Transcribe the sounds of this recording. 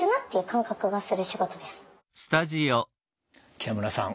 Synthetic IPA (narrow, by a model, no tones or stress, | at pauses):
ɾɯ̟nat̪ːe̞jɯ̟kʰãŋkakɯ̟ɡasɨɾɯ̟ɕiɡo̞t̪o̞d̪e̞sɨ̥ | sɨ̥t̪aʑio | kʲiamɯɾasã̰ŋ